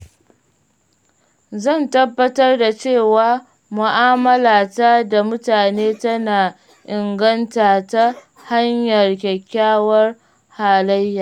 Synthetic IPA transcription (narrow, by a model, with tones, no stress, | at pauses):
zɐ˦˨ntɐ˦bːɐ˦tɐ˦rda˨t͡ʃeː˦˨waː˨ | mʊ˨ʔaː˦mɐ˦laː˨ta˦da˨mʊ˦taː˨neː˦tɐ˦naː˨ | ʔɪ˨ŋɡɐ˦ntaː˨ta˦ | ha˦ɲjɐ˨rkʲɛ˨kʲːaː˦wɐ˦r | haː˨lɐ˦jːaː˨